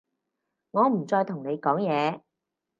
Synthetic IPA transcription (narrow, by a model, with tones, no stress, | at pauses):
ŋɔː˨˧m̩˨˩t͡sɔː˧jt̪ʰʊ˨˩ŋne˨˧jkɔː˨˥ŋjɛː˨˧